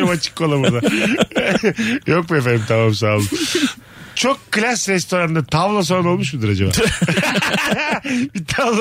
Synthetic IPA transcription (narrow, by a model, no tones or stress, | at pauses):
imat͡ʃʰɯ̥kkʰːolˠabud̪a | jok̚buefeɾimt̪ʰamams̬aːlˠɯ | t͡ʃʰo̞kʰːɯlʲasɾɛst̪ʰo̞ɾand̪at̪ʰavlˠas̬oɾano̞lˠmuʃ̬bud̪ɯɾad͡ʒaba̰ | bit̪ʰavl